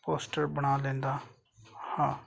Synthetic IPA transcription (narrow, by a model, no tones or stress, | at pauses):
poːsʈəɾbəɽ̃aːlẽːnd̪aː | hãː